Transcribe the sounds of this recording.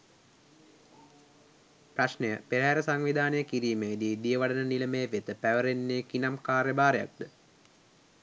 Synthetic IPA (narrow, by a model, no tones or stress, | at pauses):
praʃnəjəpeɾəɦæɾəsaŋʋid̪ʱaːnəjəkiɾiːmeid̪iːd̪ijəʋaɖənəniləmeːʋet̪əpæʋəɾenːeːkinamkaːɾeəbaːɾeja̰k̚d̪ə